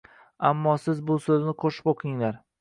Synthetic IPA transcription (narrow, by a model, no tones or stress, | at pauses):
amːɒsɪzbʊsɵznɪqʰoʃɪ̥poqʰɪŋlaɾ